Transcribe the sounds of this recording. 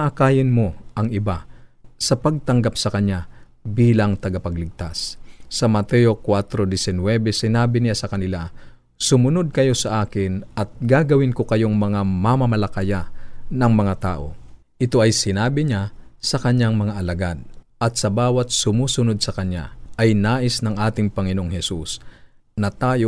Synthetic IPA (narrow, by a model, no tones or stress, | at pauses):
naʔakaːjɪnmoʔɐŋɪbasɐpɐɡ̚t̪ɐŋɡap̚sɐkɐɲja | biːlaŋt̪ɐɡapɐɡlɪɡ̚t̪asːɐmɐt̪ɛokwat̪ɾod̪ɪsɪnwɛbɛsɪnaːbɪnɪjasɐkɐnɪla | sʊmʊnod̪̚kɐjo̞sɐʔaːkɪnɐt̪̚ɡaɡɐwɪnkokɐjoŋmɐŋamamɐmɐlɐkajanɐŋmɐŋat̪aːʔo̞̰ | ʔɪt̪o̞ɐjsɪnaːbɪɲasɐkɐɲaŋmɐŋaʔɐlɐɡad̪̚ʔɐt̪̚sɐbaːwɐt̪̚sʊmuːsʊnod̪̚sɐkɐɲja̰ʔɐjnaːʔɪsnɐŋʔaːt̪ɪŋpɐŋɪnoʔoŋhɛsus | nɐt̪aːjo